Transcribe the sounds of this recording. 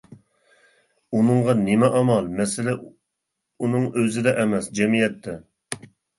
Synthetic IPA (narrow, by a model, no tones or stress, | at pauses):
unɨŋʁɑnɪmɛʔɑmɑlˠmɛsɪlɛ | unɨŋøzɪd̪ɛʔɛmɛsd͡ʒɛmijɛt̪ʰːɛ